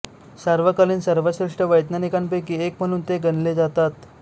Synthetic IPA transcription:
saɾʋəkaliːnsəɾʋəɕɾiʂʈəʋəjt̪nanikamp̬ekiːek̚m̤əɽ̃uːnt̪eɡənled͡zat̪at̪

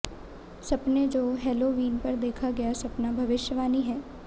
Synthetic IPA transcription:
sɐpned͡ʒoːɦɛːloːʋiːnpɐɾd̪eːkʰaɡɐjasɐpnabʱɐʋɪʃjəʋaːniɦɛː

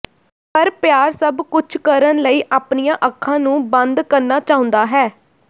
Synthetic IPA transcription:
pəɾpjaːɾsəbkʊt͡ʃʰkəɾənləiːʔaːpnijãːʔəkʰːãːnũːbənd̪kəɾnaːt͡ʃaːʊ̃nd̪aːɦɛː

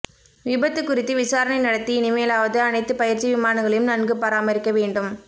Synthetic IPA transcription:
ʋɪbɐt̪ːɯkːʊrɪt̪ːɯʋɪsaːɾɐɳɐɪnɐɽɐt̪ːiɪnɪmɐjɐlaːʋɐðɯɐnɐɪt̪ːɯpɐjɪɾt͡ʃːiʋɪmaːnɐŋɡɐɭɐjɯmnɐnɡɯpɐɾaːmɐɾɪkːɐʋeːɳɖɯm

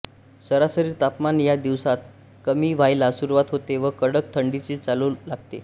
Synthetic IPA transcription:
səɾasəɾiːɾt̪apmanjad̪iʋsat̪ | kəmiːʋajlasuɾuʋat̪ɦot̪eʋəkəɽək̚t̪ʰəɳɖit͡ɕiːt͡saluːlaɡ̚t̪e

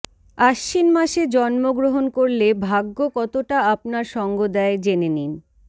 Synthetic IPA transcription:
aʃːinmaʃed͡ʑɔnmoɡɾoɦonkoɾlebʱaɡːokɔt̪oʈaap̚naɾʃɔŋɡod̪aed͡ʑenenin

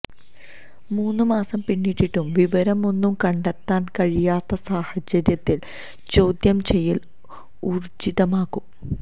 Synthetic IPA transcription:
muːnːumaːsɐmpinːiʈːiʈːumʋiʋɐɾɐmo̞nːumkɐɳɖet̪ːaːnkɐɻijaːt̪ːɐsaːhɐd͡ʑɐɾjɐt̪ːil | t͡ɕo̞ːd̪jɐmt͡ɕe̞jːil | uːrd͡ʑiðɐmaːɣum

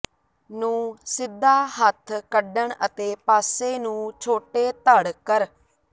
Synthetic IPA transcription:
nũːsɪd̪ʱːaːɦət̪ʰkəɖəɳət̪eːpaːseːnũːt͡ʃʰoːʈeːt̪əɽkəɾ

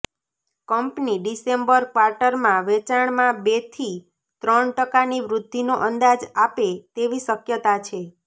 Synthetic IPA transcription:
kəmpniɖisembəɾkʋaɾʈəɾmãʋet͡ʃaɳmãbet̪ʰi | t̪ɾəɳʈəkaniʋɾʊd̪ʱːinoʔənd̪ad͡ʒapet̪eʋisəkjət̪at͡ʃʰe

